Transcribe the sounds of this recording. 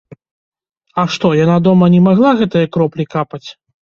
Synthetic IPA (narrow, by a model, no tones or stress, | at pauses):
ɐʂt̪ɔjanad̪ɔmɐnʲɛmaɣlˠaɣɛt̪ɨjɐkɾɔplʲikapɐt͡sʲ